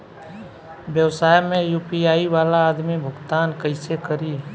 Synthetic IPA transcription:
bjəwsaːjmẽjuːpiaːiʋaːlaːd̪mibʱʊɡt̪aːnkəɪsekəɾiː

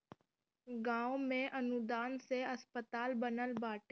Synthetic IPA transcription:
ɡãːʊmẽʔɐnʊd̪aːnseɐspət̪aːlbənəlbaːʈ

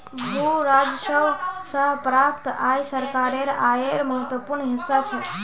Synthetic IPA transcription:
ʋoɾad͡ʒʃəʋsəɦpɾap̚t̪ajsəɾkaɾeɾaeɾməɦət̪ʋəpuɾɳɦɪsːat͡ʃʰe

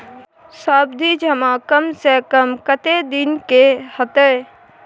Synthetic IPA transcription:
saːbd̪ʱid͡ʒʱɐmãkəmsekəmkət̪ed̪ɪnkehət̪ə

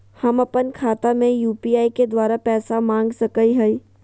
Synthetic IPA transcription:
hɐmɐpənkʰaːt̪amẽjuːpiaːiked̪waːɾapɛːsamãːŋɡsɐkəiɦɐi

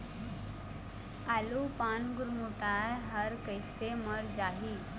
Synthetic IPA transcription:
alupaːnɡuɾmuʈajɦəɾkəjseməɾd͡ʒaɦi

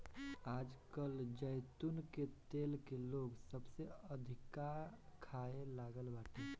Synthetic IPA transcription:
ad͡ʒkəld͡ʒəjt̪unket̪elkeloɡsəbseəd̪ʱikakʰaelaɡəlbaʈe

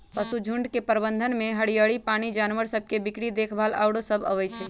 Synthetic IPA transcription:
pəsud͡ʒʱuɳɖkepəɾbənd̪ʱənmeɦəɽijəɽipañid͡ʒanʋəɾsəb̚ʱkebikɽid̪ekʰbʱala̰wɽosəbʱə̰ʋɛjt͡ʃʰɛ

